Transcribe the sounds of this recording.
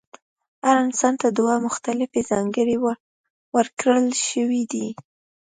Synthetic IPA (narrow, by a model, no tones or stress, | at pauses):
haɾɪnsɑnt̪ad̪ʊwamʊxt̪alɪfezɑŋɡəɽew | wəɾkɾəlʃəwid̪i